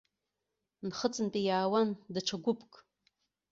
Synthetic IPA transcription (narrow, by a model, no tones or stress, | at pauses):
nχət͡sʼɨnpʼijaːwandaʈ͡ʂʰaɡʷʊpʰʼkʼ